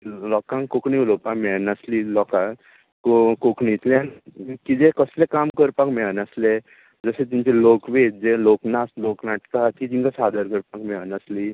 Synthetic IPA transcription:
lɔkãŋkkokɳilopakmɛɭnaslilɔka | kokokɳit̪leanikid͡zekəslekamkəɾpakmɛɭnəsle | d͡zəset̪iɲt͡ɕelokʋed͡zeloknast̪loknaʈkat̪it̪iŋkasad̪əɾkəɾpakmɛɭnəsli

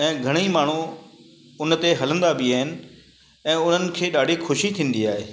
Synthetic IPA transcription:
ɛ̃ːɡʱɐɽ̃imaːɳ̤u | ʊnt̪eɦɐlə̃nd̪abɪaːɦɪnɪ̆ | ɛ̃ːʊn̤ənɪ̆kʰeːɗaːɖʱixʊʃit̪ʰĩːn̆d̪iaːɦeː

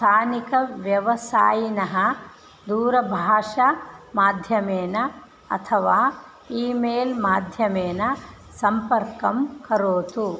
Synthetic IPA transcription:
t̪ʰaːnikɐʋjɐʋɐsaːjinɐɦɐ̆ | d̪uːɾɐbʱaːʂɐmaːd̪ʱjɐmeːnɐ | ɐ̰t̪ʰɐʋaː | iːmeːlmaːd̪ʱjɐmeːnɐ | sɐmpɐɾkɐmkɐɾoːt̪u

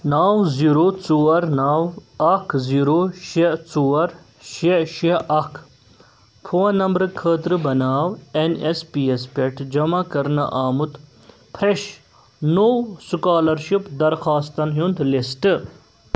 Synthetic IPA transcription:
naːwziɾot͡suːɐɾnaːwɐkʰziɾoʃet͡suwɐɾ | ʃeʃeʔɐkʰ | pʰuɐnɐmbɾɨkʰəːt̪ɾɨbɐnaːwenespiespeʈʰd͡ʒɐmakɐɾnɐ̰ʔaːmut̪ | pʰɾeʃ | nowsukaːlɐɾʃipd̪ɐɾxaːst̪ɐnɦjund̪lisʈ̪ɨ

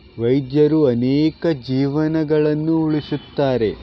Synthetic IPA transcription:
ʋɐjd̪jɐɾuɐnɛːkɐd͡ʒiːʋɐnɐɡɐɭɐnːuuɭisut̪ːaːɾe̞

